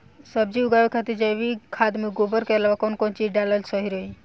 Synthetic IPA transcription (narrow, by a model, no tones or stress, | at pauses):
səbd͡ʒiʊɡaʋikʰat̪id͡ʒɛbikʰad̪meɡobəɾkeɐlaʋakonkont͡ʃiɖaləlsəɦiɾoi